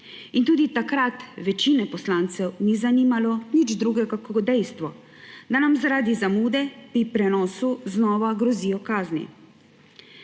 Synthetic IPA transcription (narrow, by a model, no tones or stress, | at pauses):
int̪uːd̪it̪akɾat̪ʋɛt͡ʃinɛpɔslaːnt̪sɛwnizaniːmalɔnid͡ʒd̪ɾuːɡɛɡakːd̪ɛjst̪ʋɔ | d̪anamzaɾaːd̪izamuːd̪ɛpɾipɾɛnɔːsuznɔːʋaɡɾɔziːjɔkaːznḭ